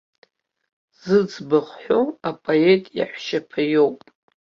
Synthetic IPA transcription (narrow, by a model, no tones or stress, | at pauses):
z̥ɨd͡zbaχħoapʼoe̞tʼja̰ħʷʃapʰajowpʼ